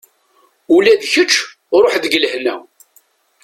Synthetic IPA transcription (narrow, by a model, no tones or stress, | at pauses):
ulæðçət͡ʃː | ɾˤoħðəɡələhnæ̰